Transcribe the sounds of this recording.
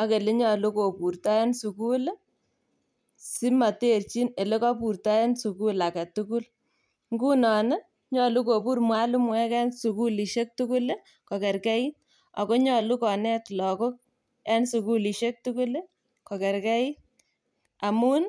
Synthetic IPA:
ɔ˦ke˨le˦ɲɔ˨lu˦ko˨pu˨rta˦ja˦nsu˨ku˦l | si˦ma˨te˦rt͡ʃi˦ne˨le˦kɔ˦pu˨ɾta˦je˦nsu˨ku˦la˨ka˨tu˦ku˦l | ŋɡu˦nɔ˨ne˦ | ɲɔ˨lu˦ko˨pu˦rmwa˦lu˦mwɛ˦kɛ˦nsu˨ku˦li˨ʃe˦k̚tu˦ku˦l | kɔ˨kɛ˨ɾkɛ˦i˦t | ɔ̰˨ko˦ɲɔ˨lu˦kɔ˨nɛ˦tlɔ˨ko˦k̚ | ɛ˦nsu˨ku˦li˨ʃe˦k̚tu˦ku˦l | kɔ˨kɛ˨rkɛ˦i˦t | a˨mu˦n

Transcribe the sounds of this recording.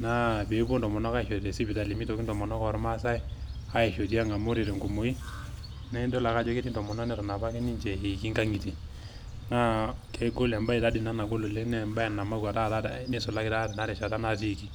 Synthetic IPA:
na˦˨be˨˦bo˦ndɔ˨mɔ˨nɔ˦ka˦˨ʃo˨te˨si˦bi˨ta˨li˨mi˦to˨ki˦ndɔ˨mɔ˨nɔ˦kɔ˨ɾma˦sa˦ɛ˦ | a˦ɛ˨ʃo˨t̬i˦a˦ŋa˨mo˦ɾi˨ɾe˨ŋɡo˨mo˨i˦ | nɛ˦do˦la˨ka˦d͡ʒɔ˦ke˦ti˦ntɔ˨mɔ˨nɔ˦nɛ˨tɔ˨na˨ba˦ki˦ni˦nd͡ʒɛ˨he˨ki˦ŋɡa˦ŋi˨ti˨ | na˦kʰe˨˦ɡo˦lɛ˨mba˦i˨ta˦di˨na˦na˨ɡo˦lo˨le˦nɛ˦˨mba˦ɛ˨na˨ma˦ka˨ta˦˨ta˦ne˦sɔ˨la˦kɪ˦ta˦tɛ˨na˦ɾɛ˨ʃa˨ta˦na˦s̬i˦˨ki˨

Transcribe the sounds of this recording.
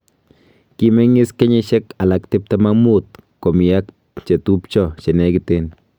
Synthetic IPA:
ki˨me˦ŋɪ˦ske˦ɲe˦ʃɛ˦ka˨la˨ktɪ˦p̚ta˦ma˦mu˦t̚ko˨mi˨a˦k̚ | t͡ʃe˨tu˦pt͡ʃɔ˦˨t͡ʃe˨nɛ˦kɪ˨te˦n

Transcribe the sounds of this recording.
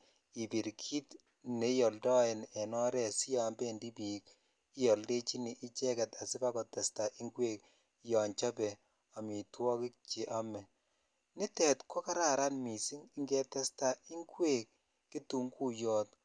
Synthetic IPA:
i˨bi˨ɾkʰi˦t | ne˨˦jɔ˨ldɔ˦ɛ˨nɛ˨nɔ˦ɾɛ˦˨si˦ja˨mbe˦˨ndi˦bi˨k | i˦jɔ˨lde˦t͡ʃi˦ni˨ʔi˦t͡ʃɛ˦kɛ˨ta˨sɪ˦ba˦kɔ˨tɛ˨sta˨ʔi˦ŋɡwe˦˨k̚ | jɔ˨ɲt͡ʃɔ˦bɛ˨ | a˨mi˨twɔ˦kɪ˦k̚t͡ʃi˨ʔa˦mɛ˨ | nɪ˦tɛ˨tkɔ˦ka˦ɾa˨ɾa˦nmi˨si˦ŋi˦ŋɡɛ˦tɛ˦sta˨i˦ŋɡweː˦˨kː | i˦tu˨ŋku˦jɔ˦t

